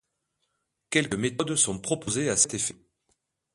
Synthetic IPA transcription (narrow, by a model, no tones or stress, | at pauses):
kʲɛlkəmet̪ɔd̪sɔ̃pχɔpozeasɛt̪efɛ